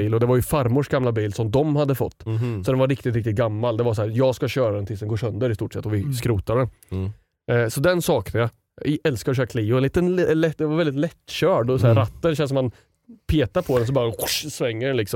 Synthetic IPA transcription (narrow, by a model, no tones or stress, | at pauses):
iːlɔd̪ɛvaɾjɵfaɾmʊʂɡamlabiːlsɔmd̪ɔmhad̪ːəfɔ̰t̪ːsɔd̪ɛnvaɾɪkt̪ɪt̪ɾɪk̚t̪ɪt̪̚ɡamːald̪ɛvas̬ɔhæːɾjɑːɡskaɕœːɾad̪ɛnt̪ʰɪsd̪ɛnɡoːʂœnd̪əɾɪst̪uːʈsɛ̰t̪ːɔvɪskɾuːt̪aɖ̪ɛn | sɔd̪ɛnsɑːknənjɑ | ɛlskaɾɔɕ̬œːɾakʰliːʊɛniːt̪ənlɛd̪ɛvaɾvɛlɪt̪lɛt̪ːɕœːɖɔsæɾat̪ːənɕɛnsɔmːan | pʰeːt̪aɾpʰɔd̪ɛns̬ɔbɑːɾasvɛŋːəɖɛnlɪksɔ